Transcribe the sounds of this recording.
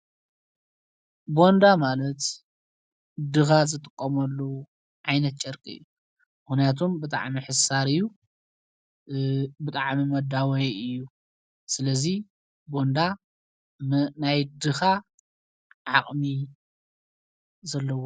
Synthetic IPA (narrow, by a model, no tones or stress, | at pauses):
bo̞nd̪amalɐt̪ | d̪ɨxazɨt̪ʼɨkʼːɐmɐlːo | ʕajnɐt̪̚t͡ʃʼɐɾkʼɨ̰jːu | mɨxnijat̪ʰombɨt̪ʼa̰ʕmiħɨsaɾɨjːu | bɨt̪ʼaʕmimɐd̪awɐjɨjːu | sɨlɐzi | bo̞nd̪a | najd̪ɨxa | ʕa̰χʼmi | zɐlːɐwo